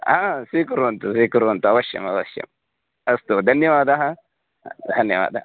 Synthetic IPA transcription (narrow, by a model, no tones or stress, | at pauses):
asikuɾntusikuɾontuawaʃḛmawa̰ʃḛm | astodanːimadaha | hanːḛma̰da̰